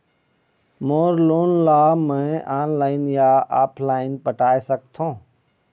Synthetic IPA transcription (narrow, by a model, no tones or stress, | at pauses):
moːɾloːnlaːmɛ̃ːaːnlaːɪnjaːaːpʰlaːɪnpəʈaːesək̚t̪ʰõː